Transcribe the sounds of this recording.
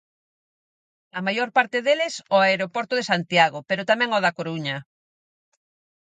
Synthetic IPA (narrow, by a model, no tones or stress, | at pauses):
ɐmajoɾpaɾt̪eðelɪsɔaeɾopɔɾt̪oðesant̪jaɣopeɾot̪amɛ̃ŋɔðɐkoɾuɲɐ